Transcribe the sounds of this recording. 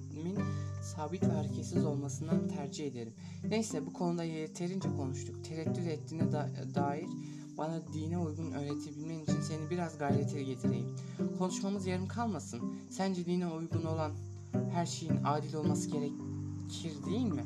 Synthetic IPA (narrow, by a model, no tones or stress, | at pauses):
minsaːbit̪ʰaɾcʰesizo̞lˠmasɯnd̪ant̪ʰæɾd͡ʒihe̞d̪e̞ɾim | nejsɛbukʰo̞nud̪ajet̪ʰe̞ɾind͡ʒɛkʰo̞nuʃt̪ʰukt̪ʰe̞ɾɛt̪ʰːyt̪ɛt̪ʰːiːnɛd̪aːjiɾ̥ | banad̪inɛujɡunø̞ːɾet̪ʰebilʲmɛmit͡ʃʰinse̞nibiɾazɡajlʲɛt̪ʰelʲiɟe̞t̪ʰiɾe̞jim | kʰo̞nˠuʃmamɯzjaɾɯmkʰalˠmasɯn | sænd͡ʒɛd̪inɛujɡuno̞lˠan | hæɾʃe̞jinaːd̪ilʲo̞lˠmasɯɟe̞ɾɛcʰiɾd̪ejinmɪ